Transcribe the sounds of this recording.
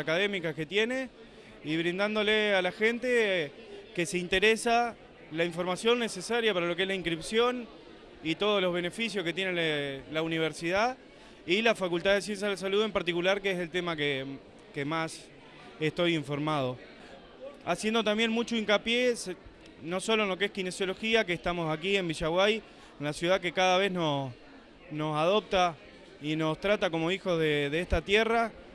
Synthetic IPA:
akaðe̞mikake̞t̪je̞ne̞ | iβɾind̪and̪o̞lealaxe̞nt̪e | ke̞seint̪e̞ɾesa | laiɱfo̞ɾmasjo̞nːe̞sesaɾjapaɾalo̞k̬eezlaiŋkɾipsjo̞n | it̪o̞ð̞olo̞zβe̞ne̞fisjosket̪je̞nelauniβ̞eɾsiða | ilafakult̪aðe̞s̬je̞ns̬jaðes̬aluðe̞mpaɾt̪ikulaɾkeeselt̪e̞make | kemas | eht̪o̞jiɱfo̞ɾmað̞o̞ | asje̞nd̪ot̪ambje̞nmut͡ʃoiŋkapjes | no̞so̞loenlo̞keeskine̞sjo̞lo̞xiakeːht̪amo̞sakie̞mbiʃaɣwaj | enlasjuð̞ake̞kaðaβe̞zno̞ | no̞saðo̞p̚t̪a | ino̞st̪ɾat̪ako̞mo̞ixo̞ðeðeeht̪at̪jera

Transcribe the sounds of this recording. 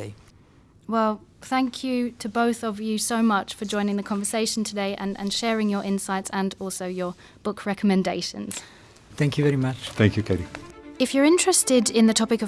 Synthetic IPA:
wɛlˠθæ̃ŋkʰjɨtʰəbəʊθəvjɨsəʊmʌt͡ʃfəd͡ʒɔ̃ɪ̃nɪ̃ŋðəkʰɒ̃ɱvəseɪʃə̃ntʰədeɪʔə̰̃nə̰̃nʃɛːɹɪ̃ŋjəɹʔɪ̃nsaɪtsə̃nɔˑlˠsəʊjə | b̥ʊkʰɹɛkəmɛ̃ndeɪʃə̰̃nz̥ | θæ̃ŋkjɨvɛɹimʌt͡ʃθæ̃ŋkʰjʉkʰeɾiɪfjəɹɪ̃nt͡ʃɹ̥ɛstɪdɪ̃nðətʰɒpɪkə

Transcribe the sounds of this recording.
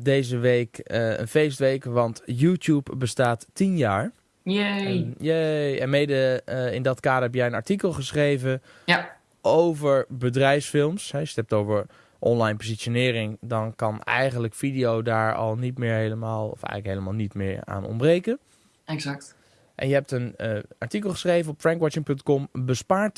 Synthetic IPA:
dejzəʋekə̰nfejstʋejkʋɑntjuːtjupbəstaːtːinjaːɹ | jeɛnmejdəɪndɔtkaːdəɹɦɛpjɛjənaɹtikəlˠχəsχrejvə | ʔowvəɹbədrɛjfsfɪlˠmsɦɛtɛp̚towvəɹ | ʔɔnlajnpozitsjonɪːɾɪŋdɔnkɑnɛ̰jχəndləkfidijowdaːɹɔ̰lˠnitmɪːɹɦejləmaːlˠɔ̰fɛ̰jɣənləkɦejləmaːlˠnitmɪːɹa̰ːnɔ̰mbrejkən | ɛsakt | ʔɛ̰njəɦɛp̚tənaɹtikəlˠχə̥sχrejvənɔpfrɛŋkwɔt͡ʃɪŋpɵntkɔmbəspaːɹt

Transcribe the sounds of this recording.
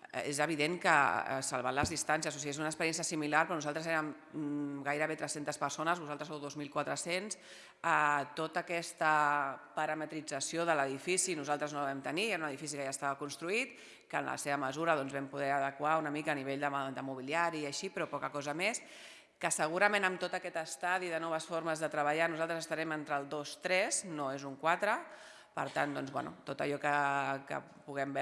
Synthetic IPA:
ḛzəβiðeŋkə̰salˠβanləzðist̪ansjəsosiezunəkspəɾjɛns̬jəsimilaɾpɾɔnuzalˠt̪ɾəzeɾəm | ɡajɾəβet̪ɾɛsent̪əspəɾsonəzβuzalˠt̪ɾəsowðozmilˠkwat̪ɾəsens | ət̪ot̪əkɛst̪əpəɾəmət̪ɾid͡zəsjoðələðifisinuzalˠt̪ɾəznoβɛmt̪ənieɾɐunəðifisikəʒast̪aβəkunst̪ɾuit̪ | kəːnlə̰seβəməzuɾəðɔnzβɛmpuðɛəðəkwaunəmikəːniβ̞eʎd̪əd̪əmuβiliaɾiəʃipɾɔpɔkəkɔzəmes | kəsəɣ̞uɾəmẽnəmt̪ot̪əkɛt̪əst̪aðiðənɔβəsfoɾməzðət̪ɾəβəʎanuzalˠt̪ɾəzəst̪aɾɛment̪ɾəlˠd̪ost̪ɾɛznoezuŋkwat̪ɾə | pə̰ɾt̪and̪ɔnzβɛ̰nṵt̪ot̪ə̰ʎɔkəkə̰ | puɣɛmbɛ

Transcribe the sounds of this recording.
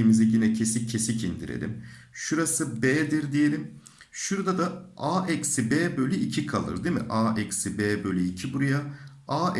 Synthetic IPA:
imiziɟinɛcʰe̞sicʰːe̞sicʰind̪ḭɾḛlʲḭmʃuɾasɯbeːd̪iɾd̪ije̞lʲim | ʃuɾd̪ad̪aaːʔɛcsibeːbølʲyicʰikʰalˠɯ̰ɾd̪emḭʔaːʔɛcsibeːbølʲyicʰibuɾujaaː

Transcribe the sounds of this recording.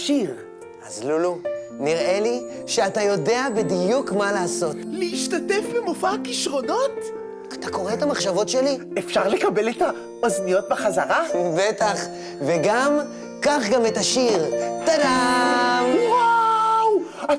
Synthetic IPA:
ʃiʁ | azluluniʁe̞liʃeatajo̞de̞abedijukmalaːso̞tleiʃtatefbemofakiʃʁo̞no̞t | at̪ako̞ʁeetamaχʃavo̞tʃe̞li | efʃaʁlekabe̞leta | oznijo̞t̪̚beχazaʁabetaχ | veɡam | kaχɡametaʃiʁtada | waw

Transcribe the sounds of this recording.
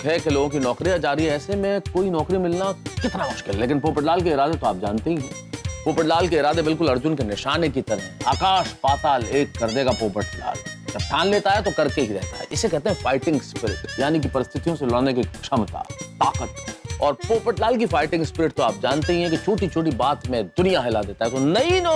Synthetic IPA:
ɦɛkeloːɡõkinɔːkɾijad͡ʒaːɾiɦɛɛːsemẽkoːinɔːkɾimɪlnakɪt̪namʊʃkɪlːeːk̬ɪnpoːpəʈlaːlkeɪɾaːd̪et̪oaːp̚d͡ʒa̰ːnt̪eɦĩɦɛ̰̃ | poːpəʈlaːlkeɪɾaːd̪ebɪlkʊlɐɾd͡ʒʊnkenɪʃaːnekit̪ɐɾɦẽa̰ːkaːʃpaːt̪aːleːkːɐɾd̪eɡapoːpəʈla̰ːld͡ʒɐbʈʰaːnleːt̪aɦɛt̪okɐɾkeɦiɾɛɦt̪a̰ɦɛ̰ʔɪsːekɛɦt̪ẽɦɛ̃faːɪʈɪ̃ŋɡspɪɾɪ̰ʈjaːnik̬ipɐɾɪst̪ʰɪt̪ijõselɔːnekekʃɐmt̪a̰ːaːqət̪ɔːɾpoːpəʈlaːlkifaːɪʈɪ̃ŋɡspɪɾɪʈ̚t̪oaːp̚d͡ʒaːnt̪eɦĩɦɛ̃kit͡ʃʰoːʈit͡ʃʰoːʈ̬ibaːt̪mẽd̪ʊnijaɦɪlad̪eːt̪aɦɛt̪onɐinɔː

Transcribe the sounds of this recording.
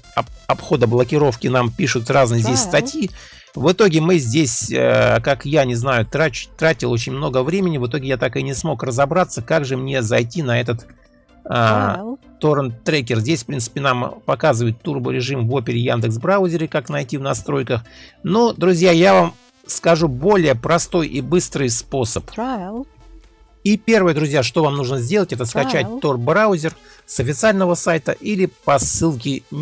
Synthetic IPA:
ɐɐpxo̞d̪əblˠəkʲɪɾo̞fkʲɪnampʲiʂʊt̪raznɨjəzʲdʲesʲst̪ɐtʲji | vɨt̪o̞ɡʲɪmɨzʲdʲesʲə̰kakjanʲɪznajʊt̪ɾat͡ɕʊ̥t̪ːɾatʲɪlˠot͡ɕɪnʲmno̞ɡəvɾʲemʲɪnʲɪvɨt̪o̞ɡʲɪjat̪akɨnʲɪsmo̞krəzɐbɾat̪səkaɡʐɨmnʲe̞zɐjtʲinɐɛt̪ət̪ | ə | t̪oɾnt̪ɾekʲɪrzʲdʲesʲfpɾʲint̪sɨ̥pʲɪnampɐkazɨvəjɪt̪ːurbʊɾʲɪʐɨmvo̞pʲɪɾʲɪjand̪ɨksbɾaʊzʲɪɾʲɪkaknɐjtʲivnɐst̪ɾo̞jkəxnod̪ɾʊzʲjajavam | skɐʐubo̞lʲɪjəpɾɐst̪o̞jʔibɨst̪ɾɨjspo̞səp | ipʲe̞rvəjəd̪ɾʊzʲjaʂt̪o̞vamnuʐnəzʲdʲe̞lˠətʲɛt̪əskɐt͡ɕæt̚ʲt̪o̞rbɾaʊzʲɪr | sɐfʲɪt̪sɨalʲnəvəsajt̪əʔilʲɪpɐsɨlˠkʲɪ

